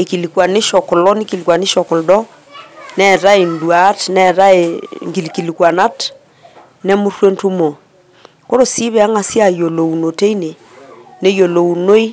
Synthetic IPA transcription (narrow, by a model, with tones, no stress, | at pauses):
e˨ki˨li˨kwa˨ne˦ʃɔ˨ko˨lɔ˦ni˦ki˨li˨kwa˨ni˦ʃɔ˨ko˨ldɔ˦ | nɛ˦˨ɾa˦e˨ndwa˨˦tnɛ˦˨ɾa˦e˨ŋɡi˨lki˨li˨kwa˨na˦t | nɛ˦mu˦rwe˦ntu˦mo˨ | ko˦ɾo˨si˦βɛ˦˨a˦ŋa˨sja˨jo˨lo˨u˨no˨te˦i˦ne˨ | ne˦jo˨lo˨u˨no˦i˦